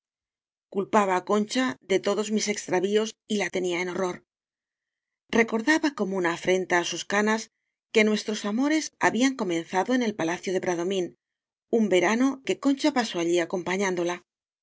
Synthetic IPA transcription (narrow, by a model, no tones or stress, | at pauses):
kulpaβ̞aːko̞nt͡ʃaðe̞t̪o̞ðo̞zmise̞kst̪ɾaβio̞silat̪e̞niaeno̞ro̞ɾ | re̞ko̞ɾðaβako̞mounaːfɾe̞nt̪aːsuskanas | ke̞nwe̞st̪ɾo̞samo̞ɾe̞sa̰βiaŋko̞mẽ̞nθaðo̞e̞ne̞lpalaθjo̞ð̞e̞pɾaðo̞mĩn | umbe̞ɾano̞ke̞ko̞nt͡ʃapaso̞aʎiako̞mpaɲãnd̪o̞la